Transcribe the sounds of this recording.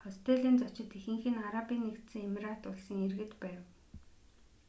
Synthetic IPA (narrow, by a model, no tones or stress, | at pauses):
ɔst̪ʰeɮiːnt͡sɔt͡ɕɪ̆t̪ixɘ̆ŋxɘ̆naɾapinːekt̪sɘ̆ŋemrat̪ʊɮsə̆ŋerɣɘ̆t̪pæːw